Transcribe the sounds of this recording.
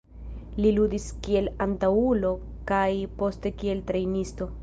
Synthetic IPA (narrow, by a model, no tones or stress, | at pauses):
liludiskie̞lantaulo̞ | kajpo̞ste̞kie̞ltɾe̞jnisto̞